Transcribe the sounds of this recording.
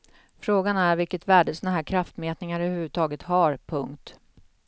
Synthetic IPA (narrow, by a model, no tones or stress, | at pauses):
fɾoːɡanæɾvɪlkət̪væːɖəsɔnaɦæːɾkʰɾaft̪meːt̪nɪŋaɾœvʉvʉt̪ʰɑːɡət̪haɾpʰɵŋkt̪